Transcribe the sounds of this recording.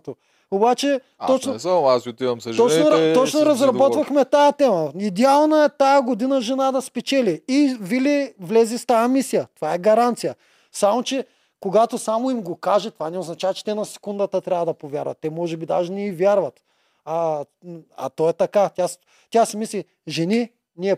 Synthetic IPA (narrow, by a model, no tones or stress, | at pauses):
t̪o | obat͡ʃɛ | t̪ɔt͡ʃnoasʲiot̪ivɐmsɐʒɔt͡ʃnoɾt̪ɔt͡ʃnoɾɐzɾɐbɔt̪vɐxmɛt̪ajɐt̪ɛmɐid̪ɛalˠnɐɛt̪ajɐɡod̪inɐʒɛnad̪ɐspɛt͡ʃɛliivilʲivlɛzift̪ajɐmisijɐt̪ovaɛɡɐɾant̪sijɐ | samot͡ʃɛ | koɡat̪osamoimɡokaʒɛt̪ovanɛoznɐt͡ʃavɐt͡ʃɛ̥t̪ɛnɐsɛ̥kund̪ɐt̪ət̪ɾʲavɐd̪ɐpovʲja̰ɾvɐ̰t̪ːɛmɔʒɛbid̪aʒɛnɛivʲjaɾvɐt̪ | ɐ | ɐ̰t̪ɔɛt̪ɐkat̪ʲjas | t̪ʲasɛmisli | ʒɛni | niɛ